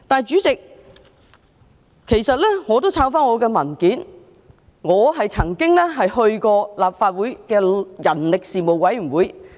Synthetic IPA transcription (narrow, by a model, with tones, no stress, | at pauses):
t̪aː˨˧jt͡ʃyː˨˥t͡sɪ˨k̚ | kʰːe˨˩jsɐ˨t̚lɛː˥ŋɔː˨˧t̪̬o˥wt͡sʰaː˧wfaː˥nŋɔː˨˧kɛː˧mɐ˨˩nkiː˨˥n | ŋɔː˨˧ɦɐ˨jt͡sʰɐ˨˩ŋkɪ˥ŋlɛː˥ɦɐ˨jhɵ˧ɥkɔː˧laː˨˩p̚faː˧t̚wuː˨˥jkɛː˧jɐ˨˩nlɪ˨k̚siː˨mo˨wɐ˨˥jɥy˨˩nwuː˨˥j